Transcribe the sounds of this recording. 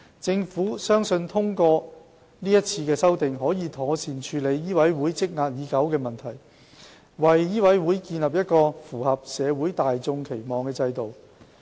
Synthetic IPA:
t͡sɪ˧ŋfuː˨˥sœː˥ŋsɵ˧nt̪ʰʊ˥ŋkɔː˧ | niː˥jɐ˥t̚t͡sʰiː˧kɛː˧sɐ˥wt̪ɪ˨ŋɦɔː˨˥jiː˨˧t̪ʰɔː˨˧siː˨˩nt͡ʃʰyː˨˧le˨˧jːiː˥wɐ˨˥jwuː˨˥jt͡sɪ˥k̚ŋaː˧t̚jiː˨˥kɐ˨˥wkɛː˧mɐ˨nt̪ʰɐ˨˩j | wɐ˨jjiː˥wɐ˨˥jwuː˨˥jkiː˧nlɐ˨p̚jɐ˥t̚kɔː˧fuː˨˩hɐ˨p̚sɛː˨˧wuː˨˥jt̪aː˨jt͡sʊ˧ŋkʰe˨˩jmɔː˨˩ŋkɛː˧t͡sɐ˧jt̪o˨w

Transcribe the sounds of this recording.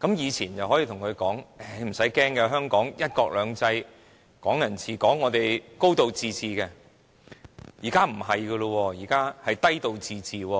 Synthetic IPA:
kɐ˨˥mjiː˨˧t͡sʰiː˨˩nt͡sɐ˨whɦɔ˨˥jiː˧t̪ʰʊ˨˩ŋkʰɵ˨˧ɥkɔː˨˥ŋɛ˨˩˧m̩˨˩sɐ˨˥jkɛː˥ŋkɛ˧ɦœː˥ŋkɔː˨˥ŋjɐ˥t̚kɔː˧k̚lœː˨˧ŋt͡sɐ˧j | kɔː˨˥ŋjɐ˨˩nt͡sʰiː˨˧kɔː˨˥ŋːɔː˨˧t̪e˨jko˥wt̪o˨˧wt͡siː˨˧t͡siː˨kɛ˧ | jiː˨˩kaː˥m̩˨˩ɦɐ˨jɡɐ˧lɔ˧wɔː˧jiː˨˩kaː˥hɐ˨jt̪ɐ˥jt̪o˨wt͡siː˨˧t͡siː˨wɔː˧

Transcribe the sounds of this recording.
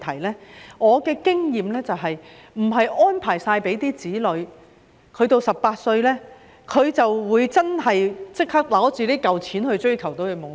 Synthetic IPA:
t̪ʰɐ˨˩jlɛː˥ŋɔː˨˧kɛː˧kɪ˥ŋjiː˨mlɛː˥t͡sɐ˨wɦɐ˨j | m̩˨˩ɦɐ˨jʔɔː˥npʰaː˨˩jsaː˧jpe˨˥jt̪iː˥t͡siː˨˥lɵ˨˧ɥ | kʰɵ˨˧ɥt̪o˧wsɐ˨pːaː˧t̚sɵ˧ɥlɛː˥ | kʰɵ˨˧ɥt͡sɐ˨wwuː˨˧jt͡sɐ˥nɦɐ˨jt͡sɪ˥k̚hʰɐ˥k̚la˨˥t͡syː˨liː˥kɐ˨wt͡sʰiː˨˥nhɵ˧ɥt͡ʃɵ˥ɥkʰɐ˨˩wt̪o˧jɵ˨˧mo˨

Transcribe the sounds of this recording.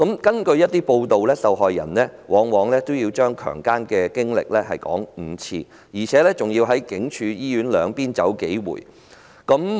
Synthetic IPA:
kɐ˨˥mkɐ˥nkɵ˧ɥjɐ˥t̚t̪iː˥po˧wt̪o˨wlɛː˥sɐ˨wɦɔː˨jːɐ˨˩nlɛː˥wɔː˨˧ŋwɔː˨˥ŋlɛː˥t̪o˥wjiː˧wt͡ʃœː˥ŋkʰœ̰ː˨˩ŋkaː˥nkɛː˧kɪ˥ŋlɪ̰˨k̚lɛː˥hɐ̰˨jkɔ̰ː˨˥ŋ̩˨˩t͡sʰiː˧ | jiː˨˩t͡sʰɛː˨˥lɛː˥t͡sʊ˨ŋjiː˧wɦɐ˨˥jkɪ˨˥ŋt͡ʃʰyː˨˧jiː˥jyː˨˥nlœː˨˧ŋpiː˥nt͡sɐ̰˨˥wke˨˥jwṵː˨˩j | kɐ˨˥m

